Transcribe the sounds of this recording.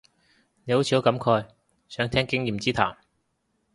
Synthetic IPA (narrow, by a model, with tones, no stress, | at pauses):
ne˨˧jho˨˥wt͡ɕʰi˧o˨˥kɐ˨˥mkʰɔː˧j | sœː˨˥ŋt̪ʰɛː˥ŋkɪ˥ŋjiː˨˩mt͡siː˥t̪ʰaː˨˩m